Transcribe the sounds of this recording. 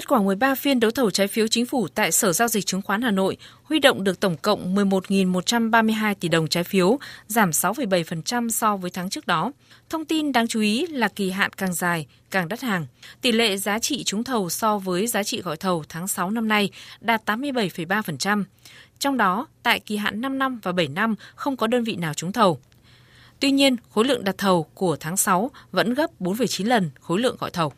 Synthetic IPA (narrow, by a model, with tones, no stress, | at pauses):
ə˦˥kwaː˧˩mɨ˨˩əjɓaː˧fi˧ənɗə˨˦wt̪ʰə˨˩wt͡ɕaː˨˦jfi˨˦wt͡ɕï˨˦ŋ̟fu˧˩t̪a̰ː˧˨jsəː˧˩zaː˧wzï˨˩k̚t͡ɕɨ˨˦ŋxwaː˨˦nhaː˨˩no̰˧˨jʔhwi˧ɗo̰˧˨wŋ͡mɗɨ˨˩ək̚t̪ə˧˩wŋ͡mkə̰˧˨wŋ͡mmɨ˨˩əjmo˨˩t̚ŋi˨˩nmo˨˩t̚t͡ɕa˧mɓaː˧mɨ˧əjɦaː˧jt̪i˧˩ɗə˨˩wŋ͡mt͡ɕaː˨˦jfi˨˦əwzaː˧˩msa˨˦wfə˧˩jɓə˧˩jfə˨˩nt͡ɕa˧msɔ˧vəː˨˦jt̪ʰːŋt͡ɕɨ˦˥ək̚ɗɔ˨˦ | t̪ʰə˧wŋ͡mt̪i˧nɗaː˧ŋt͡ɕu˨˦ʔi˨˦laː˨˩ki˨˩ɦa̰ː˧˨nkaː˨˩ŋzaː˨˩j | kaː˨˩ŋɗə˦˥t̚haː˨˩ŋt̪i˧˩lḛ˧˨zaː˨˦t͡ɕḭ˧˨t͡ɕʊ˨˦ŋ͡mt̪ʰə˨˩wsɔ˧vəː˨˦jzaː˨˦t͡ɕḭ˧˨ɣɔ̰˧˨jt̪ʰə˨˩wt̪ʰaː˨˦ŋsa˨˦wna˧mna˧jɗaː˨˩t̚t̪aː˨˦mːɨ˧əjɓə˧˩jfə˧˩jɓaː˧fə˨˩nt͡ɕa˧mt͡ɕɔ˧wŋ͡mɗɔ˨˦t̪a̰ː˧˨jki˨˩ɦa̰ː˧˨nːa˧mna˧mvaː˨˩ɓə˧˩jna˧mxə˧wŋ͡mkɔ˨˦ɗəː˧nvḭ˧˨naː˨˩wt͡ɕʊ˨˦ŋ͡mt̪ʰə˨˩w | t̪wi˧ɲi˧ənxo˨˦lɨ̰˧˨əŋɗa˨˩t̚t̪ʰə˨˩wku˧˩ət̪ʰaː˨˦ŋsa˨˦wvə̰˧˥nɣə˦˥p̚ɓo˨˦nfə˨˩jt͡ɕi˨˦nlə˨˩nxo˨˦jlɨ̰˧˨əŋɣɔ̰˧˨jt̪ʰə˨˩w